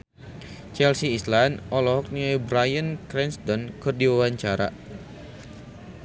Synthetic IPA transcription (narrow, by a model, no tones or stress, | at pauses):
t͡ʃɛlsiːslanɔlɔɦɔk̚niobɾajənkɾɛnst̪ɔnkɨrdiwawaɲt͡ʃaɾa̰